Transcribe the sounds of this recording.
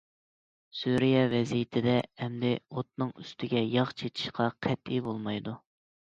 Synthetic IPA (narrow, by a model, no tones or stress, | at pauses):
suɾijɛvɛzijɪt̪ʰɪd̪ɛɛmd̪ɪot̪̚nɨŋyst̪ʰɪɡʲɛjɑχt͡ʃʰet̪ʰɪ̥ʃqʰɑqʰɛt̪ibolˠmɑjd̪u